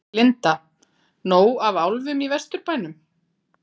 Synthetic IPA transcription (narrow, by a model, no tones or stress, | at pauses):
lɪnt̪a | noːwavawlvʏmivɛst̪ʏɾpaːjnʏm